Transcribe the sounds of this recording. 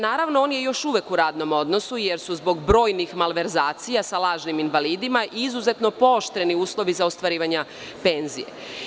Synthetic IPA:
naːɾaʋnooːnje̞jo̞ʃuːʋekuɾaːd̪no̞mo̞d̪no̞suje̞ɾsuzbo̞ɡbɾo̞ːjnixmalʋe̞ɾzaːt̪sijasalˠaːʒniminʋaliːd̪imaʔiizuzet̪no̞po̞oʃt̪ɾe̞niuːslˠo̞ʋizaost̪ʋaɾiːʋaɲa | pe̞nzḭje̞̰

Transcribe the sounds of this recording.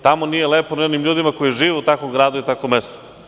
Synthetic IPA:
t̪amonijeleːponionimʎʲuːd̪imako̞jiʒiːʋeut̪akʋomɡɾaːd̪uit̪akomest̪o̥

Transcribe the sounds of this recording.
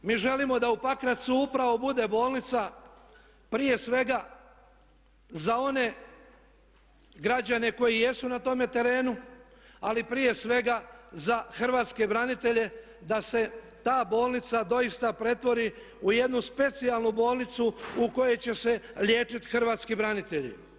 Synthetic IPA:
miːʒe̞limo̞d̪aupakɾat̪suupɾaʋo̞bud̪e̞bo̞ːlˠnit̪sa | pɾije̞sʋe̞ɡa | zao̞ne̞ | ɡɾad͡ʑane̞ko̞jije̞sunat̪o̞me̞t̪e̞ɾe̞ːnualipɾije̞sʋe̞ɡazaxr̩ʋaːt̪ske̞bɾanit̪e̞ʎe̞ | d̪ase̞ | t̪aːbo̞ːlˠnit̪sad̪o̞ist̪apɾe̞t̪ʋo̞ɾi | uje̞d̪nuspe̞t̪sialnubo̞ːlˠnit̪suuko̞je̞t͡ɕe̞se̞lʎʲje̞ːt͡ʃit̪xr̩ʋaːt̪skibɾanit̪e̞ʎḭ

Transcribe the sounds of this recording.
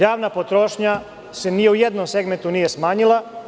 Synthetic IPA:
jaːʋnapo̞t̪ɾo̞ʃɲa | se̞nijeujed̪nomse̞ɡme̞nt̪unije̞smaːɲila

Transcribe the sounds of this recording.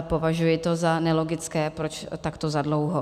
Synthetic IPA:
po̞vaʒujɪt̪o̞zanɛlo̞ɡɪt͡skɛːpɾot͡ʃt̪akt̪ozadlowɦo

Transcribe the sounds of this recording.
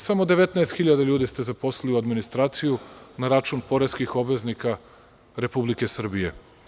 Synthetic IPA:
samo̞d̪e̞ʋet̪naest̪xiʎad̪aʎuːd̪ist̪ezapo̞sliliuad̪minist̪ɾaːt̪sijunaɾat͡ʃunpo̞ɾeskixo̞bʋe̞znika | ɾe̞publike̞sr̩bije

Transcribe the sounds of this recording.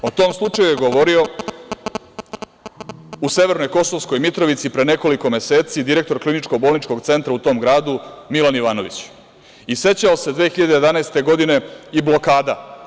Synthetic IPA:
o̞t̪o̞ːmslˠut͡ʂajujeɡo̞ʋo̞ɾio̞ | use̞ʋe̞ɾno̞jko̞so̞ʋsko̞jmit̪ɾo̞ʋit̪sipɾene̞ko̞liko̞me̞se̞ːt̪sid̪iɾe̞k̚t̪o̞ɾklinit͡ʃko̞ɡ̚bo̞ːlˠnit͡ʃko̞ɡt̪se̞nt̪ɾaut̪o̞ːmɡɾaːd̪umilaniʋaːno̞ʋit͡ɕ | ise̞t͡ɕaose̞d̪ʋeːxiʎad̪eje̞d̪anaest̪e̞ɡo̞d̪ine̞iblo̞kaːd̪a

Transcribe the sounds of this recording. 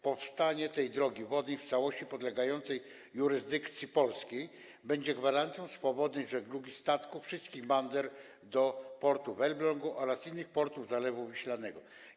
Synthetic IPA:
pɔfst̪aɲɛt̪ɛjd̪ɾɔɡʲivɔd̪ɲɛjft̪sawɔɕt͡ɕipɔd̪lɛɡajɔnt̪sɛj | jːuɾɘzd̪ɘkt̪sʲjipɔlskʲej | bɛɲd͡ʑɛɡvaɾant̪sʲjɔ̃w̃sfɔbɔd̪ɲɛjʐɛɡluɡʲist̪at̪kufʂɘst̪kʲiɣband̪ɛɾ | d̪ɔpɔɾt̪uvɛlblɔŋɡuʔɔɾasinːɘxpɔɾt̪uvzalɛvumɘɕlanɛɡɔ

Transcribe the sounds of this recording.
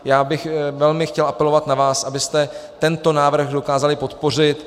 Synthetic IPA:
jaːbɪxvɛlmɪxcɛlʔapɛlo̞vat̪navaːsʔabɪst̪ɛt̪ɛnt̪o̞naːvr̩ɣdo̞kaːzalɪpo̞t̪po̞r̝ɪt̪

